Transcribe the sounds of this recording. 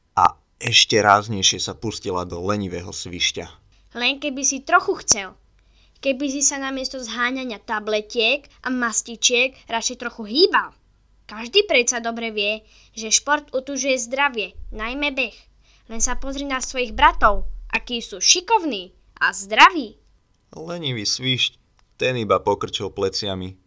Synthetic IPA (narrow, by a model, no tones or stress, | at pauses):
ʔa̰ | ɛʃcɛɾaːzɲɛjʃɪɛsapuscilad̪ɔlɛɲiʋɛːɦɔsʋiʃca̰ | lɛŋkɛbisit̪ɾɔxuxt͡sɛl | kɛbis̬isanamɪɛst̪ɔzɦaːɲaɲɪat̪ablɛcɪɛkʔamascit͡ʃɪɛɡɾat͡ʃɛjt̪ɾɔxuɦiːbal | kaʒd̪iːpɾɛt̪sad̪ɔbɾɛʋɪɛ | ʒɛʃpɔɾt̪ut̪uʒujɛzd̪ɾaʋɪɛnajmɛbɛx | lɛnsapɔzɾinasʋɔjiɣbɾat̪ɔʊʔakiːsuːʃikɔʊniː | ʔa̰zd̪ɾaʋiː | lɛɲiʋisʋiʃc | t̪ɛnibapɔkr̩t͡ʃilplɛt͡sɪami